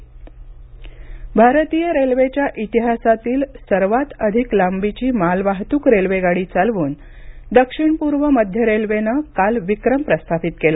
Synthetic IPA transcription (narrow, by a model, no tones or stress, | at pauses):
bʱaɾt̪iːjəɾelʋet͡ɕjaʔit̪iɦasat̪iːlsəɾʋat̪əd̪ʱiklambit͡ɕiːmalʋaɦt̪uːkɾelʋeɡaɽiːt͡salʋuːn | d̪əkʂiɳpuɾʋəməd̪ʱjəɾelʋenəkalʋikɾəmpɾəst̪ʰafit̪kela